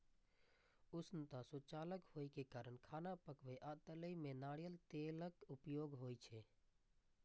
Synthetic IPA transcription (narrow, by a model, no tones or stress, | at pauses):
usnət̪asut͡ʃaːləkhojkekaːɾəɳkʰaːnapəkʋeʔat̪ələimenaːɽijəlt̪eləkupjoɡɦojt͡ʃʰɛ